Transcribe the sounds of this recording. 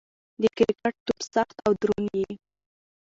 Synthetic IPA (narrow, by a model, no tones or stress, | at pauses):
d̪əkɾɪkaʈ̚t̪upsaxt̪awd̪ɾunji